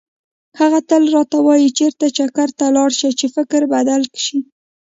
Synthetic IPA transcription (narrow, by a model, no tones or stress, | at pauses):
haɣat̪əlɾɑt̪awɑjit͡ʃeɾt̪at͡ʃakaɾt̪alɑɽʃat͡ʃefɪkɾbad̪alkʃi